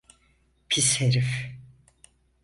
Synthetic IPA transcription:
pʰisheɾif

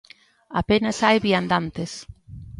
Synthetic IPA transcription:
apenasajβiand̪ant̪es

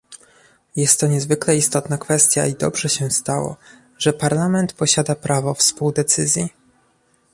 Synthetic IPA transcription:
jɛst̪ːɔɲɛzvɘklɛist̪ɔt̪nakfɛst̪ʲja̰id̪ɔ̰bʐɛɕɛst̪awɔ̰ | ʐɛpaɾlamɛnt̪pɔɕad̪apɾavɔfspuwd̪ɛt̪sɘzʲji

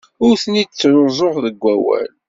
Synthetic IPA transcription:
ʊɾθənid̪t͡sːɾoɾzˤoʁðəɡʷːæwæ̰l

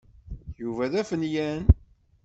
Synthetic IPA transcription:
juvæðæfənjæn

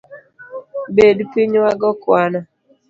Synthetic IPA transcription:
bedupiɲaɡɔkwana

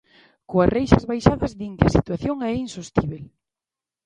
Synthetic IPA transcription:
koasrejʃɐzβajʃaðɐzðiŋkɪɐsit̪waθjoŋɛinsost̪iβ̞el

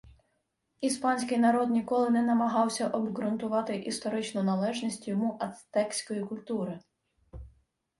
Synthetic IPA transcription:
ispɑnʲsʲkɪjnɐɾɔd̪nʲikɔlˠɪnɛnɐmɐɦɑwsʲɐʔɔbɡɾʊnt̪ʊʋɑt̪ɪʔist̪ɔɾɪt͡ʃnʊnɐlˠɛʒnʲisʲtʲjɔmuʔɐt̪ɛksʲkɔjikʊlʲt̪uɾɪ

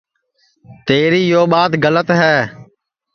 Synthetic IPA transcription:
t̪eːɾiːjoːɓaːt̪ɡələt̪ɦɛː

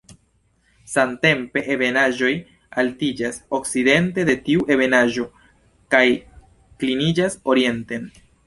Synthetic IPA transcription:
sante̞mpe̞ʔebe̞naʒo̞j | altid͡ʒaso̞kside̞nte̞de̞tiuʔe̞βe̞naʒo̞ | kaj | klinid͡ʒaso̞ɾie̞nte̞n

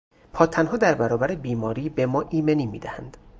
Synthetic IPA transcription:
pʰɒːt̪ʰænɦɒːd̪æɾbæɾɒːbæɾebiːmɒːɾiːbe̞mɒːʔiːme̞niːmḭːd̪æhænd̪̥

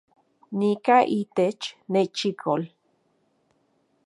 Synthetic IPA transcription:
nikaʔit̪et͡ʃneʔt͡ʃikʰol

